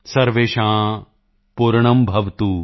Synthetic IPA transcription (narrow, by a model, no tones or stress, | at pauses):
sɐɾʋeːʃãː | puɾɳɐmbʱɐʋt̪u